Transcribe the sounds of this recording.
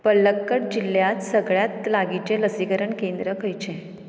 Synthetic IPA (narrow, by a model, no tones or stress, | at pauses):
pəlːəkːəɽ̚d͡ʑilːjat̪səɡɭjat̪laɡit͡ɕeləsikəɾəɳkend̪ɾəkʰəjt͡ɕẽ